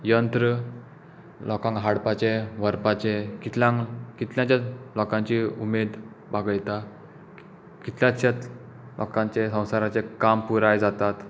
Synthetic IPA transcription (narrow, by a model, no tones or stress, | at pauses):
jənt̪ɾə | lɔkãŋkɦaɽpat͡ɕeʋəɾpat͡ɕekit̪ljãŋkit̪ljãt͡ɕalɔkãɲt͡ɕiumed̪ | baɡɭt̪a | kit̪ljãt͡ɕat͡s | lʔɔ̰kãɲt͡ɕesə̃w̃saɾat͡sekampuɾajd͡zat̪at̪